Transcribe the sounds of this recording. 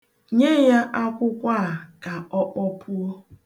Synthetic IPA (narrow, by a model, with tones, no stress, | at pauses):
ɲe˦ja˦ʔa˦kʷʊ˦kʷa˦a˨ka˨ɔ˦k͡pɔ˦pʰʊ˦o˦